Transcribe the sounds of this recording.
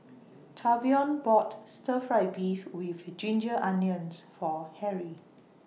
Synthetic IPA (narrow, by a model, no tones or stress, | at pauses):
tʰabiɔ̃nbɔtstəfɹaɪbifwivd͡ʒĩnd͡ʒəʔãnjə̃nsfɔhɛɹi